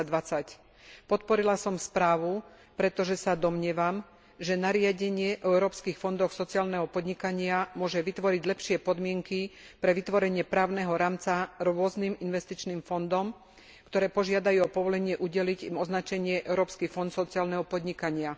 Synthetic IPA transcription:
d̪ʋat͡sac | pɔt̪pɔɾilasɔmspɾaːʋu | pɾɛt̪ɔʒɛsad̪ɔmɲɪɛʋam | ʒɛnaɾɪaɟɛɲɪɛʔɔɛʊɾɔːpskixfɔnd̪ɔxsɔt͡siaːlnɛɦɔpɔd̪ɲikaɲɪamʊɔʒɛʋit̪ʋɔɾiɟlɛpʃɪɛpɔd̪mɪɛŋki | pɾɛʋit̪ʋɔɾɛɲɪɛpɾaːʊnɛɦɔɾaːmt͡saɾʊɔzniminʋɛst̪it͡ʃniːmfɔnd̪ɔm | kt̪ɔɾɛːpɔʒɪad̪ajuɔpɔʋɔlɛɲɪɛʔuɟɛliɟimɔznat͡ʃɛɲɪɛʔɛʊɾɔːpskifɔnt̪sɔt͡siaːlnɛɦɔpɔd̪ɲikaɲɪa

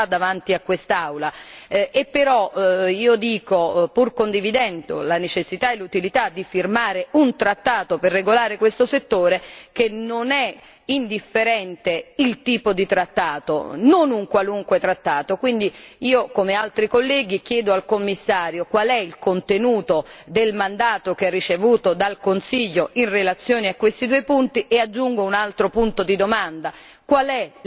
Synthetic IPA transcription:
ad̪avant̪iakːwest̪awlaepːeɾɔiːod̪iːkopurkond̪ivid̪ɛnd̪o̰lanet͡ʃesːit̪aelːut̪ilit̪ad̪ːifirmaːɾeunt̪ɾat̪ːaːt̪operːeɡolaːɾekwest̪oset̪ːoːɾekenonɛ | ind̪ifːeɾɛnt̪eilt̪iːpod̪it̪ɾat̪ːaːt̪o̰nonuŋkwaluŋkwet̪ɾat̪ːaːt̪okwind̪iiːokomealt̪ɾikolːɛːɡ̟ik̟jɛːd̪oalkomːisːaːɾjokwalɛilkont̪enuːt̪od̪elmand̪aːt̪ok̟ɛrːit͡ʃevuːt̪od̪alkonsiʎːoʔinrelat̪sːjoːneakːwest̪id̪uːejpunt̪iʔead͡ʒːuŋɡounalt̪ɾopunt̪od̪id̪omand̪a | kwalɛ

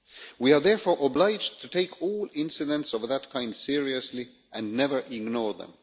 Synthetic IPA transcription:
wiə˞ðɛɹfɔɹʔəblaɪd͡ʒtʰɨtʰeɪkʰɔlˠɪ̃nsɨdə̃ntsɔvðət̚kʰãɪ̃nd̥sɪɹiɨsli | ʔɨ̃nːɛvə˞ʔɪɡnɔɹðə̰̃m

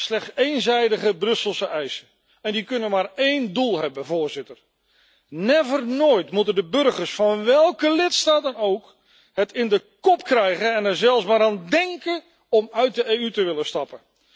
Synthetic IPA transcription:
slɛχsejnzɛjdəɣəbrɵsəlˠsəʔɛjsə | ɛndikɵnənmaːrejndulˠɦɛbəvoːɹzɪtər | nɛvərnoːjtmutəndəbɵrɣəɹsfɑnʋɛlˠkəlɪtstaːtənowk | hətɪndəkɔpkrɛjɣənɛnɛɹzɛlˠsmaːɾaːndɛŋkə | ɔmœɥt̚dəeːytəʋɪləstɑpə

